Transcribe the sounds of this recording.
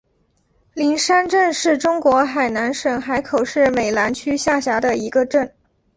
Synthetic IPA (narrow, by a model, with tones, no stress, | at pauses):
li˧˥nʂa˥nʈ͡ʂə˥˧nʂɻ̩˥˩ʈ͡ʂʊ˥ŋkwɔ˧˥xa˨˩ɪna˧˥nʂɤ˨˩ŋxa˧˥ɪkʰo˨˩ʊʂɻ̩˥˩me˨˩ɪla˧˥nt͡ɕʰy˥ɕja˥˩ɕja˧˥d̪ə˧i˧˥ɡə˧ʈ͡ʂə˥˩n